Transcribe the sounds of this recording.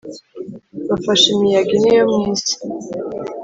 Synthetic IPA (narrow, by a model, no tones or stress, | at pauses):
βafaʃimijaɡinijomŋiːzi̥